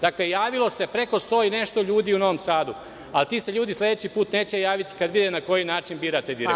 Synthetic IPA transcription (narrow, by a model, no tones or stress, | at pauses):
d̪aklejaːʋilo̞se̞pɾe̞ko̞st̪oːine̞ʃt̪o̞ʎuːd̪iuno̞ʋo̞msaːd̪u | alt̪iːseʎuːd̪islʲˠe̞d̪et͡ɕipuːt̪ne̞ːt͡ɕejaːʋit̪i̥kad̪ʋid̪enako̞jinaːt͡ʃinbiːɾat̪ed̪iɾe